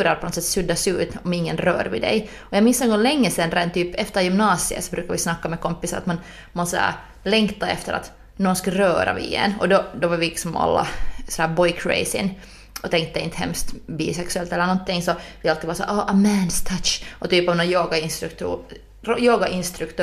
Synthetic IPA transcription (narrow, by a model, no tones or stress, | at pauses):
ʉɾaɾt̪̚pʰɔnɔt̪sɛt̪ːsʉd̪ːɑsʉːt̪ɔmɪŋːənɾœ̰ːɾvɪ̰d̪ɛ̰j | ɔjɑmɪnsnɔŋɡɔŋːlɛŋːəsɛnɾɛːnt̪ʰyːpɛft̪əɾjʏmnɑːsɪə̰sɔbɾʉːkaɾʋɪsnɑkːamɛkʰɔmpːɪsaɾa̰t̪man | mansɔd̪æ̰ːɾ | lɛŋkt̪aɛ̰ft̪əɾa̰t̪ | noːnskaɾøːɾa̰vɪ̰ɛ̰nɔ̰d̪ɔd̪ɔʋɑɾʋɪlɪksɔma̰lːɑ̰sɔd̪æːbɔjkʰɾḛɪsɪ̰n | ʔɔt̪ʰɛŋkt̪əd̪ɛɪnt̪hɛ̰mst̪bḭːsɛksʉɛlt̪ɛlːənɔnt̪ʰːɪŋːsɔʋɪlɑlt̪ːiːʋɑːɾsa̰ːʔoːʔəmænst̪ʰɑt̪ʃʔɔt̪yːpavnɔnjoːɡaɪnst̪ɾʉkt̪ʰṵː | joːɡaʔɪnst̪ɾʉkt̪ʰː